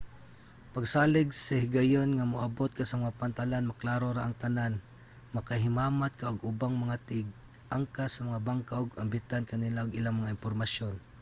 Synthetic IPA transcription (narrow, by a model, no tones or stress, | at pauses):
paɡsaːlɪɡsɐhɪɡajonŋamʊʔabot̪̚kasɐmaŋapant̪alanmaklaːɾoɾaʔaŋt̪anan | makaɦɪmaːmat̪̚kaʊɡʊbaŋmɐŋat̪ɪɡ̚ | ʔaŋkasɐmaŋabaŋkaʔʊɡambɪt̪ankanɪlaʊɡɪlaŋmɐŋaɪmpoɾmasjon